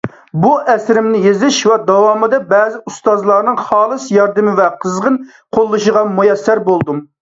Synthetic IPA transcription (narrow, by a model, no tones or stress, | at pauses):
buʔɛsɾɪmnɪjezɪʃwɛd̪ɑwɑmɨd̪ɛbɛzɪust̪ɑzlˠɑɾnɨŋχɑːlˠɨsjɑɾd̪ɨmɪvɛqʰəzʁən | qʰolˠːɨʃəʁɑmujɛsːæɾbolˠd̪um